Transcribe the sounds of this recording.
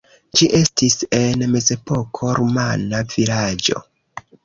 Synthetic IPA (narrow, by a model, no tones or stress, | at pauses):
d͡ʒiʔe̞stise̞nme̞ze̞po̞kʰo̞ɾomanav̥iɾad͡ʒo̞̰